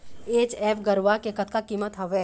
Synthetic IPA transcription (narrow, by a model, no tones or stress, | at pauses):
eːt͡ʃɛːfɡɐɾʋakekɐt̪kakiːmət̪ɦɐʋeː